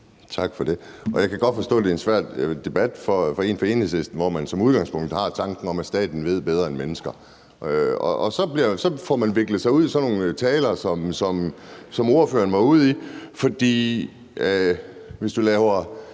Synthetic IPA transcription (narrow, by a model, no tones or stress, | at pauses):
t͡sʰɑ̈ɡ̥fɒd̥e̝ɒ̽jɑ̈ɪkʰæɡ̥ɒ̽d̥fɒ̽sd̥ɔ̰ːd̥e̝ensʋæɐ̰d̥d̥e̝b̥æd̥fɒfɒe̝ːnfɒe̝ːn̩hesesd̥n̩ʋɒmænsɒ̽muð̞ˠɡ̥ɑ̈ŋspʰɔ̽ŋ̰d̥̩hɑ̈t͡sʰɑ̈ŋɡ̥n̩ɒ̽mæsd̥ɛ̰ːd̥n̩ʋe̝ð̞̰ˠb̥eð̞ˠɐenmenəsɡ̥ɐ | ɒʔɒsɒ̽b̥liɐsɒ̽fɒmænʋe̝ɡ̥ləð̩ˠsɑ̈ɪuð̞̰ˠsɒno̝ːn̩t͡sʰɛːlɐsɒ̽msɒ̽msɒ̽mo̝ɐfø̰ːɐn̩ʋɑ̈uð̞̰ˠifɒ̽d̥ḭː | ʋe̝sd̥ulɛːʊɐ